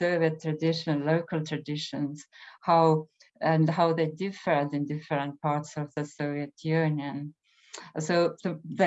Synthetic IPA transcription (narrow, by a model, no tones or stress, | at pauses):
soʊviətʰːɹadɪʃñloʊkəlˠt̪ʰɹadɪʃə̃nz̥haʊ | æ̃nhaʊðeɪdɪfədɪ̃ndɪfəɹə̃nt̚pʰaɹtsɔvðəsoʊviətʰjʉnjə̃n | soʊðəð